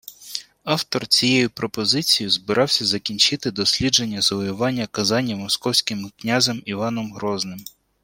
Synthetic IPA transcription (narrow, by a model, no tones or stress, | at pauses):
ɑwt̪ɔrt͡sʲijɛjʊpɾɔpɔzɪt͡sʲijʊzbɪɾʔɑwsʲɐzɐkʲinʲt͡ʃɪt̪ɪd̪ɔsʲlʲid͡ʒe̞nʲːɐzɐʋɔjʊʋɑnʲːɐkɐzɑnʲːɐmɔskɔwsʲkɪmknʲazɛmiʋɑnɔmɦɾɔznɪm